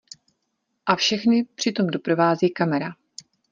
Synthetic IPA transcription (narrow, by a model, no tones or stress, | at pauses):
ʔafʃɛxnɪpr̝̥ɪt̪o̞mdo̞pɾo̞vaːziːkamɛɾa